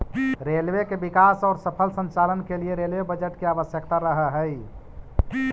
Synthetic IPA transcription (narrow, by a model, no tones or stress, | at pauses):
ɾelwekebikasɔːɾsəpʰəlsə̃nt͡ʃalənkelieɾelʋebəd͡ʒəʈkeabəsjəkt̪aɾəɦəɦəj